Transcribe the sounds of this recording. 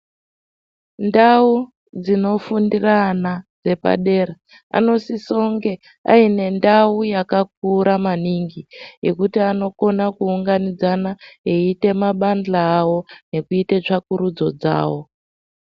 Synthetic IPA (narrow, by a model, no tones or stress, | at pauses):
ndau | d͡zino̞fundiranad͡ze̞pa̰ɗe̞ːɾa | a̰no̞siso̞ŋɡe̞ | a̰ine̞ndaujakak̚uɾamaniŋɡijḛkutiano̞ko̞nakuːŋɡanid͡zanaeite̞maɓand͡ɮaːwo̞ne̞kuitet͡ʂakuɾud͡zo̞̰d͡za̰ːwo̞